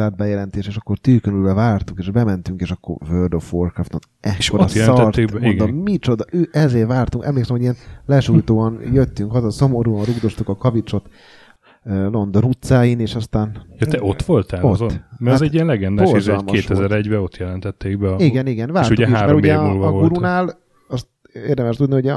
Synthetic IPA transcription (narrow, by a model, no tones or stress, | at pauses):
aːd̪̚bɛjɛlɛnt̪eːʃeːʃɒkːo̞rt̪yːkønylbɛvaːrt̪ukeːʒbɛmɛnt̪yŋkeːʃɒkːo̰rvørd̪ofʋorkrɔft̪o̞n | ɛkʰːoɾɒjsɒrt̪ːeɡbminɡ̪ɡd̪ommit͡ʃo̞d̪ɒøːʔɛzeːrvaːrt̪uŋkɛ̰mleːksɛmhoɟijɛnlɛʃujt̪oːɒnjøt̪ːyŋkhɒzɒso̞mo̞ɾuːɒnruɡd̪o̞st̪ukɒkɒvit͡ʃo̞t̪ː | lo̞nd̪oɾut̪saːjineːʃɒst̪aːnjɑt̪ɛʔo̞t̪ʋo̞lt̪aːozomɛzɛɟiɛnlɛɡɛnd̪bordzɔlmkoeːʃt̪ɛzɛɾɛɟbɛo̞t̪jɛlɛnt̪ɛt̪ʰːeːɡbɛiɡɛniɡɛnvaːɾrtʃuuɛɦkeaʃːɾmɛoɾumɛmulvvolutɾunaːl | ɒst̪ | eːrd̪ɛmɛʃt̪ud̪nihoɟ